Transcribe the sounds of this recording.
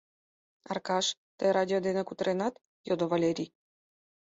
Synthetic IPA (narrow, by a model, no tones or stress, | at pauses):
ɑ̰rkɑʃt̪əɾɑd̪ʲiod̪enekut̪ɾenɑt̪ | jod̪ovalʲeɾʲi